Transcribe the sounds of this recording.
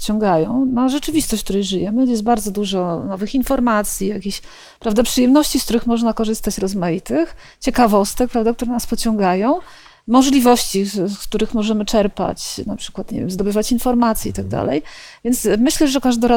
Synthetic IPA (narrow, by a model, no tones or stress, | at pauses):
t͡ɕɔ̃ŋɡajɔ̃w̃naʐɛt͡ʂɘvʲist̪ɔɕt͡ɕkt̪uɾɛjʐɘjɛmɘjɛst̪̚baɾd̪zɔd̪uʐɔnɔvɘxinfɔɾmat̪sʲjijakʲiɕ | pɾavd̪apʂɨjɛmnɔɕt͡ɕiskt̪uɾɘxmɔʐnakɔʐɘst̪at͡ɕɾɔzmajit̪ɘx | t͡ɕɛkavɔst̪ɛk̚pɾavd̪ak̚t̪uɾɛnaspɔt͡ɕɔ̃ŋɡajɔ̃w̃ | mɔʐlʲivɔɕt͡ɕikt̪uɾɘxmɔʐɛmɘt͡ʂɛɾpa̰t͡ɕnapʂɘ̥kwat̪ɲḛvʲjɛmzd̪ɔbɘvat͡ɕinfɔɾmat̪sʲjɛit̪aɡ̚d̪a̰lɛ̰jvʲjɛnt̪smɘɕlɛʐɛkaʐd̪ɔɾa